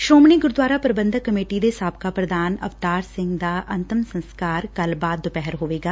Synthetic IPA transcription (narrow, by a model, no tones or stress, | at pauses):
ʃoːmniːɡʊɾd̪waːɾaːpəɾɪbə̃nd̪ʱəkːəmeːʈiːd̪eːsaːb̚kaːpɾəd̪aːnə̰ʋt̪aːɾsɪ̃ŋɡd̪aːʔənt̪ɪmsə̃nskaːɾkəlbaːd̪ːopɛɦəɾɦoːʋeːɡaː